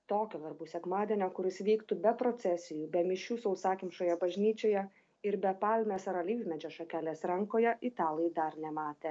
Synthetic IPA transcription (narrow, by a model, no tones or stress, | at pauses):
t̪oːkʲɛʋʲɐɾbuːsʲɛkmɑːd̪ʲɛnʲɛkʊɾʲɪsʋʲiːkt̪ubʲɛpɾɔt̪sʲɛsʲɪjuːbʲɛmʲɪʃʲuːsɐʊsɑːkʲɪmʃoːjɛbɐʒʲnʲiːt͡ʃʲoːjɛ | ɪɾbʲɛpɑːlʲmʲeːsɐɾɐlʲiːzʲmʲɛd͡ʒʲɛʃɐkʲæːlʲeːsɾɐŋkoːjɛʔɪt̪ɑːlˠɛd̪ɐɾnʲɛmɑːt̪ʲeː